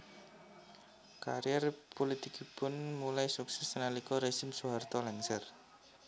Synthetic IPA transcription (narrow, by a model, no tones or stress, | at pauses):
ka̰ɾjɛrpolit̪ikipʊnmulajsuksɛsnalikɔɾeʒɪmsuɦart̪ɔlɛŋsər